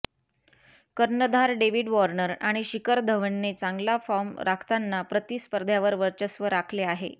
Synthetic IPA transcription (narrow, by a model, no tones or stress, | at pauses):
kəɾnəd̪ʱaɾɖeʋiɖʋɔɾnəɾaɽ̃iɕikəɾd̪ʱəʋəɳːet͡saŋɡlafɔɾmɾakʰt̪anːapɾət̪iːspəɾd̪ʱjaʋəɾʋəɾt͡ɕəsʋəɾakʰleaɦḛ